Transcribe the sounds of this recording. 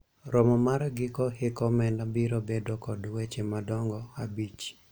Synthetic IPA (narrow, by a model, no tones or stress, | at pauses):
ɾɔmɔmaɾɡɪkɔhɪkɔmɛnabiɾobedokɔdwet͡ʃemadɔŋɡɔabit͡ʃ